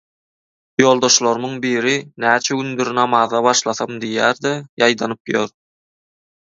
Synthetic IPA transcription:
jo̞ːlˠd̪o̞ʃlˠoɾmuŋbiːɾinæːt͡ʃʰæɡynd̪yɾnɑmɑðɑβɑʃlˠɑθɑmd̪ijæːɾd̪ejɑjd̪ɑnɯpjoɾ

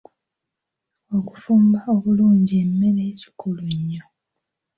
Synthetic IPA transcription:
o̞ku̥fuːmbao̞βuluːɲɟiemːe̞le̞ːci̥kʰuluɲːo

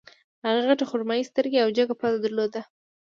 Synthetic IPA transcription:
haɣaɣaʈaxʊɾmɑjist̪əɾɡeawd͡ʒaɡapɑt̪ad̪aɾlod̪a

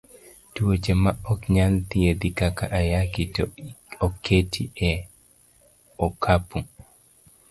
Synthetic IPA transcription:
tuwot͡ʃemaɔkɲalt̪ɪed̪ikakaʔajakitɔɔkʰːetʰiɛ | ɔkʰapu

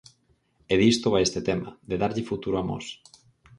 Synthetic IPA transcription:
eðist̪oβajest̪ɪt̪ɛmɐ̰d̪eðaɾʎɪfut̪uɾʊamɔ̰s

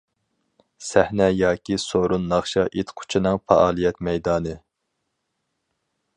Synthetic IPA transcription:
sæhnɛjɑːkʲisoɾunːɑχʃɑʔet̪qʰʊ̥t͡ʃʰinɨŋfɑ̰ʔɑːlˠijɛt̪mɛjd̪ɑːnɨ

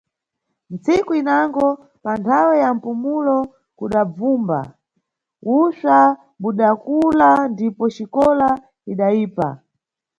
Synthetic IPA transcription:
n̩t͡sikuinaŋɡɔ | pantʰawɛjam̩pumulɔ | kuɗab͡vuːmba̰ | usa | ɓuɗakulandipɔt͡ʃikɔla | iɗaiːpa̰

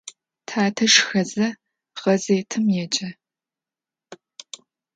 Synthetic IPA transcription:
tʰaːtʰɐʂxɐzɐ | ʁɐzeːtʰɨmjɛt͡ʃʼɐ

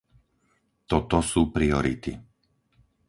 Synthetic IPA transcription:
t̪ɔt̪ɔsuːpɾiɔɾḭt̪i

